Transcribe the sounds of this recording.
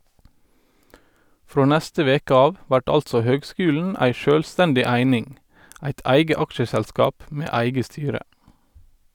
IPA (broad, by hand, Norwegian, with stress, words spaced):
ˈfɾoː ˈnæstə ˈʋeːkə ˈɑːʋ ˈʋæʈ ˈɑltsɔ ˈhøːɡˌskʉːln̩ ˈæɪ ˈʃøːlˌstɛndɪ ˈæɪnɪŋ ˈæɪt ˈæɪɡə ˈɑkʃəsælˌskɑːp ˈmeː ˈæɪɡə ˈstyːɾə